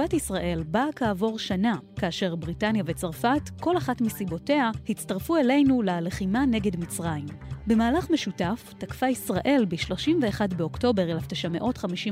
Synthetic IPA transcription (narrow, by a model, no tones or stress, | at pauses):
atisʁaʔe̞lbakaːvo̞ʁʃanakaːʃe̞ʁbʁitanjave̞t͡saʁfatko̞laχatmisibo̞te̞ahit͡staʁfue̞le̞jnulaleχimane̞ɡe̞dmit͡sʁaimbe̞maːlaχme̞ʃutaftakfaisʁaʔe̞lbiʃlo̞ʃimveːχadbeo̞kto̞be̞ʁelaftaʃame̞ʔo̞tχamiʃi